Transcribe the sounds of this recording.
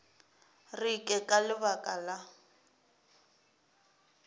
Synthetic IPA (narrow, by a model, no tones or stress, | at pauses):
rikʼɛkʼalɪβakʼala